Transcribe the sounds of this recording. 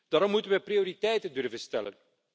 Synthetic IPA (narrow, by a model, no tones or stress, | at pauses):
d̥aːɾɔmːutənʋɛprioːɾitɛjtəndɵrvənstɛ̰lə̰n